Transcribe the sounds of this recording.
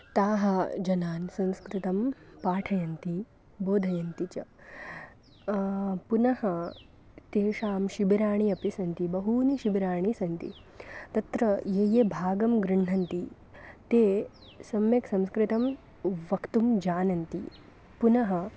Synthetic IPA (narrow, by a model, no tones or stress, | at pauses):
t̪aːɦɐd͡ʒɐnaːnsɐ̃nskɾɪt̪ɐmpaːʈʰɐjɐnt̪i | boːd̪ʱɐjɐnt̪it͡ʃɐ | punɐhɐ | t̪eːʂaːmʃibiɾaːɳiɐpisɐnt̪ibɐɦuːniʃibiɾaːɳ̃isɐnt̪ḭ | t̪ɐt̪ɾɐjeːjebʱaːɡɐmɡɾɪɳɳɐnt̪i | t̪eː | sɐmjɐksɐ̃nskɾɪt̪ɐm | ʋɐkt̪umd͡ʒaːnɐnt̪ḭ | punɐɦɐ̆